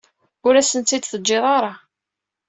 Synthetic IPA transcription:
ʊɾæsənt̪ːid̪θəd͡ʒːeðˤɑɾˤɑ

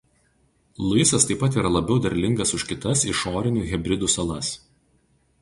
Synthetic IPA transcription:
lˠɐɪsɐst̪ɐɪpːɐt̪̬iːɾɐlˠɐbʲɛʊd̪ɐɾʲlʲɪŋɡɐsʊʃʲkʲɪt̪ɐsɪʃoːɾʲɪnʲuːɣʲɛbʲɾʲɪd̪uːsɐlˠɐs

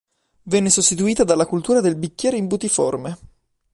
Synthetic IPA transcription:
vɛnːesost̪it̪uiːt̪ad̪alːakult̪uːɾad̪elbikʲːɛːɾeimbut̪ifo̰rme

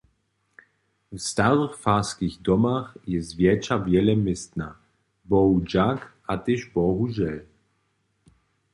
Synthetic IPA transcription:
vst̪aʁɨxfaskiɣd̪ɔmaxjɛzvʲjɛt͡ʃavjɛlɛmɪst̪na | bɔud͡ʑakʔat̪ɪʒbɔɦuʒjɛl

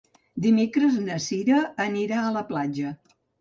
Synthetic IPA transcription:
d̪imekɾəznəsiɾəːniɾaələplad͡ʒə

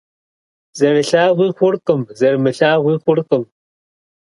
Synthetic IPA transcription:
zɐrɨɬaːʁʷiːxʷʊrqʼɨmzɐrmɨɬaːʁʷiːχʷʊrqʼɨm

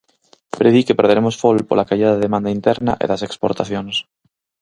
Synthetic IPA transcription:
pɾeðikepeɾð̞eɾemosfolpoɾlakaʎaðaðeðemãnd̪aint̪eɾna̰ʔḛðasekspoɾt̪aθjones

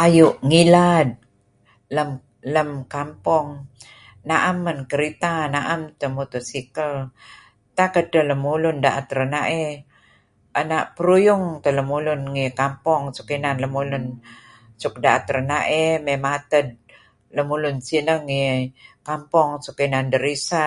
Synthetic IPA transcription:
ʔajuʔŋilad̚ | ləm | ləmkampɔŋ | naʔamːənkəɾit̪anaʔamt̪əmut̪usikəl | t̪akət̪ələmulʊndaʔat̪ɾənaʔe | ʔənaʔpəɾujʊŋt̪ələmulʊnŋikampɔŋsu̥kinanləmulʊn | suk̚daʔat̪ɾənaʔememat̪əd̚ | ləmulʊnsinəŋikampɔŋsukinandəɾisa

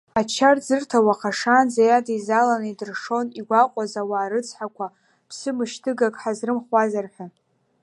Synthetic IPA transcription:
at͡ʃʰard͡zɨrtʰawaqʰaʂand͡zajadaizalanaidɨrʂo̞niɡʷaqʷʼazawaːɾɨt͡sʰʼħakʷa | pʰsɨmɨʃtʰɨɡakʼħazrɨmχwʷazarħʷᶣa

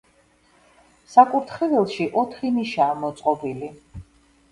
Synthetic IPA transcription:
sakʼuɾt̪ʰχɛvɛlˠʃiʔɔt̪ʰχiniʃaːmɔt̪sʼqʼɔbili

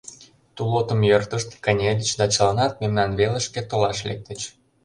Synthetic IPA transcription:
t̪ulot̪ə̆mjørt̪əʃt̪kənʲed̪ʲət͡ɕd̪ɑt͡ɕəlɑnɑt̪̚memnɑnβeləʃket̪olɑʃlḛk̚t̪ə̆t͡ɕ

